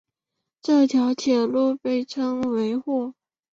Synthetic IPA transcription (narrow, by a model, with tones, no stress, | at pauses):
ʈ͡ʂɤ˥˩t̪ʰjɑ˧˥ʊt̪ʰjɛ˨˩nlu˥˧pe˥˩ɪʈ͡ʂʰɤ˥ŋwe˧˥ɪxwɔ˥˩